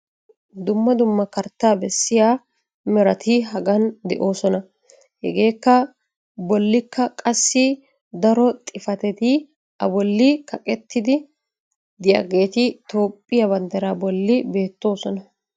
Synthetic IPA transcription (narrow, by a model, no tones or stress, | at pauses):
d̪ʊmːɐd̪ʊmːɐkɐɾt̪ːaːbɛsːɪjaː | mɛɾɐt̪ɪɦɐɡɐnd̪ɛʔo̞ːsɔnɐ | hɛɡe̞ːkːɐ | bɔlːɪkːɐkʼɐsːɪ | d̪ɐɾɔt̪ʼɪfɐt̪ɛt̪ɪ | ʔɐ̰bɔlːɪkɐkʼɛt̪ːɪd̪ɪ | d̪ɪjɐ̰ɡe̞ːt̪ɪt̪o̞ːpʼːɪjɐbɐnd̪ɐɾaːbɔlːɪbe̞ːt̪ːo̞ːsɔnɐ